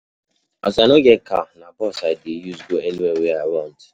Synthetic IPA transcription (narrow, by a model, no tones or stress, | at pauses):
a̰sanoɡɛtkʰa̰nakɔsaɪdejuzɡoɛniwɛweaɪwɔ̃nt